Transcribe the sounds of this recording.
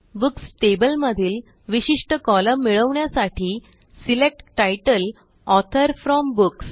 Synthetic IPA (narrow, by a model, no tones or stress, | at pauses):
buksʈebəlməd̪ʱiːl | ʋiɕiʂʈəkɔlamiɭəʋɳjasaʈʰiː | silek̚ʈʈajʈəl | ɔt̪ʰəɾfɾɔmbuks